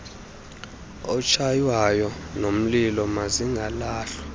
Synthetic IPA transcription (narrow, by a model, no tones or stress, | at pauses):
ɔt͡ʃʰajwajɔnom̩lilɔmaziŋɡʱalaːɬɔ̥